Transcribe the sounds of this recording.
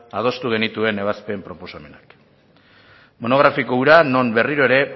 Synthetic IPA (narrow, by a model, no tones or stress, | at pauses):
aðo̞st̪uɣ̞e̞nit̪ue̞ne̞β̞aspe̞mpɾo̞po̞same̞nak | mo̞no̞ɣɾafikouɾano̞mbe̞riɾo̞eɾe̞